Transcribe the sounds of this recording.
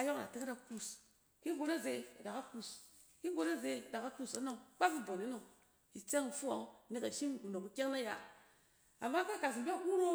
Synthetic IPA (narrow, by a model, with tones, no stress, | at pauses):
a˨jo˦kna̰˨ti˦kɾa˨ku˦˨s | ki˦ɡo˦na˦ze˨da˨ka˦ku˦˨s | ki˦ɡo˨˦na˦ze˨da˨ka˦ku˦sa˦no˦ŋk͡pa˦fi˦bo˨ni˦no˨ŋ | ji˨t͡se˦ŋ˨fu˦a̰˨ŋ˦ni˦ka˨ʃi˦m˨ɡu˨no˨u˨˦ke˦ŋ˦na˦ja̰˨ | a˨mːa˦ka˦ka˨s̬i˨mba˦ku˦ɾo˦